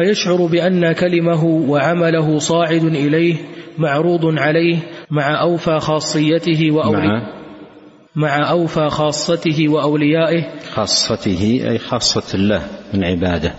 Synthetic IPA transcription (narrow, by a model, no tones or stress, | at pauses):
fajaʃʕʊɾbɪʔanːakalɪmaɦʊwaʕamalaɦʊsˤɑːʕɪd̪ʔɪlajhmaʕɾuːd̪ˤnʕalajhmaʕaʔawfaːxɑːsˤːɨjːat̪ɪɦɪwaʔa | maʕaʔawfaːxɑːsˤːɑt̪ɪɦɪwaʔawlɪjaːʔɪhxɑːsˤːɑt̪ɪhɪʔa̰jxɑːsˤːɑlːa̰ːhmɪnʕɪba̰ːd̪a